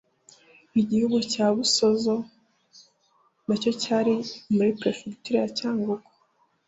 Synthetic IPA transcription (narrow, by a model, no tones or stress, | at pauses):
iɟihuɡucaːβuso̞zo̞ | naco̞caɾimuɾipɾe̞feki̥tuɾajacaːŋɡuko̥